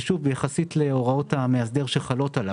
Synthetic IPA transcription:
ʃuvbejaχasit̪leo̞ʁao̞thameas̬d̪e̞ʁʃelχalo̞tala

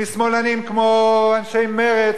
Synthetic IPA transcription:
ismolanimkmoanʃejmeʁe

